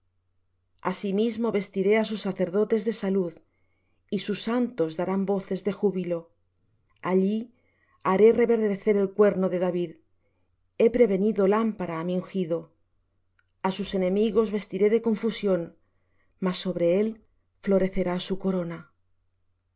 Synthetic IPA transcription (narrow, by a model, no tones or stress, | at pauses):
asimizmo̞βe̞st̪iɾe̞asusːaθe̞ɾðo̞t̪e̞zðe̞saluð | isusːant̪o̞zðaɾambo̞θe̞zðe̞xuβilo̞ | aʎi | aɾe̞re̞βe̞ɾðeθe̞ɾelkwe̞ɾno̞ðe̞ðaβið | e̞pɾe̞βe̞niðo̞lampaɾaːmiuŋxiðo̞ | asuse̞nẽ̞miɣo̞zβe̞st̪iɾe̞ðe̞ko̞ɱfusjo̞n | masːo̞βɾe̞e̞l | flo̞ɾe̞θe̞ɾasuko̞ɾona